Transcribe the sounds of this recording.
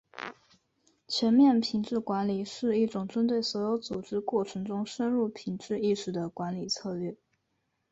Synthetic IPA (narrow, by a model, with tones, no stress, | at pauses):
t͡ɕʰɥɛ˧˥nmjɛ˥˩npʰi˧˩˥ŋʈ͡ʂɻ̩˥˩kwa˧˥nli˨˩ʂɻ̩˥˧i˥˩ʈ͡ʂʊ˨˩ŋʈ͡ʂə˥nt̪we˥˩ɪswɔ˧˥jo˧˥ʊt͡su˨˩ʈ͡ʂɻ̩˥kwɔ˥˩ʈ͡ʂʰɤ˧˥ŋʈ͡ʂʊ˥ŋʂə˥nɻu˥˩pʰi˧˨˩ŋʈ͡ʂɻ̩˥˧i˥˩ʂɻ̩˨˩d̪ə˦kwa˧˥nli˨˩t͡sʰɤ˥˧lɥɛ˥˩